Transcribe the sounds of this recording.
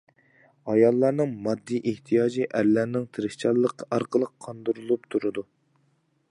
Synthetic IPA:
ɑjɑlˠːɑɾnɨŋmɑd̪ːiʔeht̪ʰijɑːd͡ʒiʔæɾlæɾnɪŋt̪ʰɨɾɨʃt͡ʃʰɑlˠːəqʰːɑɾqʰəlˠəqʰːɑnd̪uɾulˠup̚t̪ʰuɾɨd̪u

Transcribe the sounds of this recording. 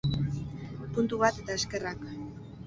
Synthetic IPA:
punt̪uβ̞at̪e̞t̪aeske̞rak

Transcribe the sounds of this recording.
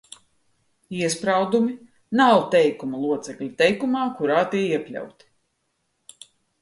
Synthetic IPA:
iɛspɾawd̪umi | nawt̪ɛjkumulˠuɔt̪sɛklʲut̪ɛjkumaːkuɾaːt̪iɛiɛpʲlʲa̰wt̪i̥

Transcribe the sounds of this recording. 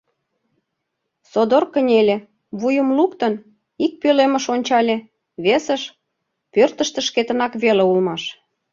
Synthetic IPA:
sod̪orkə̆nʲelʲe | βujəmlukt̪ən | ik̚pølemə̆ʃonʲt͡ɕɑlʲe | βesəʃ | pørt̪ə̆ʃt̪ə̆ʃket̪ənɑkβeleulmɑʃ

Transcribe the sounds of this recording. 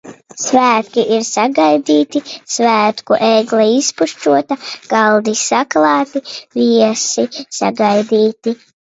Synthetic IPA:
svæːt̪kʲiʔiɾsaɡajd̪iːt̪isvæːt̪kuʔeːɡlˠɛispuʃt͡ʃuɔt̪aɡ̥alˠd̪isaklˠɑːt̪iviɛsisa̰ɡajd̪iːt̪i

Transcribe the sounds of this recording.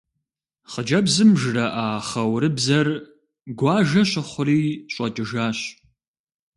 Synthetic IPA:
χəd͡ʒɐbzɨmʒɨrɐʔaːχɐwɾɨbzɐr | ɡʷɑːʒɐɕɪχʷʊriːɕʼɔtʼɨʒaːɕ

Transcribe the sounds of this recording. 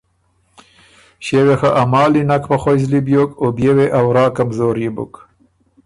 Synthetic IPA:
ɕewexaʔamɑːlinakʰpɐxojzlibjokobjeweʔawɾɑːkamzoːɾjibṵk

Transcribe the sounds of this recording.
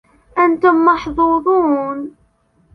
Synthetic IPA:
ʔænt̪ʊmːɑħðˤuːðˤuːn

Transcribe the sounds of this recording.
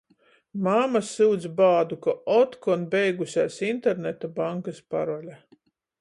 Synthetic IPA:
mamasɨwd̪zbaːd̪ukaɔt̪kɔnbʲɛjɡusʲaːsint̪eɾnet̪abaŋkaspaɾɔlʲa

